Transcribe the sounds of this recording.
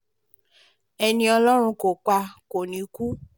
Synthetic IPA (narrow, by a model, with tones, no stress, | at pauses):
ɛ˧nĩ˧ɔ˧lɔ˦ɾ̃ũ˧ko˨k͡pa˧ko˨nĩ˨˦ku˦